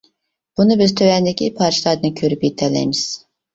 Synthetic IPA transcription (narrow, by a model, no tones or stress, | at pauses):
b̥unɨbɪzt̪ʰøwɛnd̪ɪkʲʰipʰɑɾt͡ʃilˠɑd̪ɨnkʲʰøɾypjet̪ʰɛlːɛ̰jmɪz̥